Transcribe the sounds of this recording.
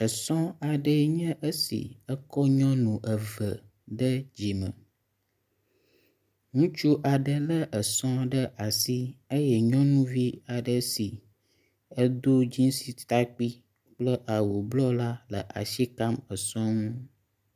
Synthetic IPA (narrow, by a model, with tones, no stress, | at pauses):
ə˨sɔ̃˦a˨ɖə˦ɲə̃˦ʔə˦sḭ˨ə˦kɔ˦ɲɔ̃˦nũ˨ʔə˨və˨ | ɖə˦d͡ʑi˨mə̰̃˨ | ŋũ˦t͡ʃu˦ʔa˨ɖə˨lə˦ʔə˨sɔ̃˦ɖə˦ʔa˨si˦ə˦jɛ˨ɲɔ̃˦nũ˦vi˦a˨ɖə˨si˨ | ə˦d̪o˦d͡ʑĩ˦si˦t̪a˦k͡pi˦ | k͡plə˦ʔa˨wo˨blɔ˦la˦lə̰˨ʔa̰˨ʃi˦ka˦mə˨sɔ̃˦ŋũ˦